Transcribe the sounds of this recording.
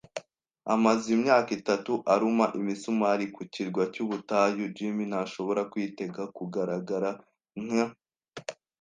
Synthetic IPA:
amazimɲaːkitatuʔaɾumaʔimisumaɾikuciɾɡwacuβutajud͡ʒimin̥haʃo̞βo̞ɾakwiːte̞ɡakuɡaɾaɡaɾa | ŋ̥a

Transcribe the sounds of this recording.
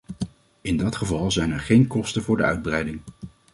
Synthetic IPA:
ɪndɑtχəvɑlˠzɛjnɛɹχejnkɔstəvʊːɹdəœ̰ɥd̚brɛjdɪŋ

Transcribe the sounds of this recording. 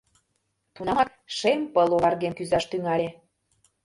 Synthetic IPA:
t̪unɑmɑt̪ | ʃempəlˠoβɑrɣemkyzɑʃt̪yŋɑlʲe

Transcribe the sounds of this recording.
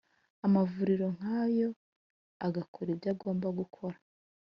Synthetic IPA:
amavuɾiɾo̞ŋ̥haːjo̞ | aɡakʰoɾibjaɡo̞ːmbaɡukʰo̞ɾḁ

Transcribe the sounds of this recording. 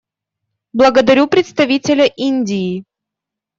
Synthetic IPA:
blˠəɡəd̪ɐɾʲupɾʲɪt̪st̪ɐvʲitʲɪlʲəʔinʲdʲɪː

